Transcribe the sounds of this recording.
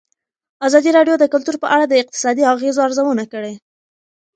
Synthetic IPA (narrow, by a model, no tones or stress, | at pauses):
azɑd̪iɾɑɖjod̪əkʊlt̪uɾpəʔaɽad̪əɪq̚t̪ɪ̥sɑd̪iaɣezoaɾzawənakəɽe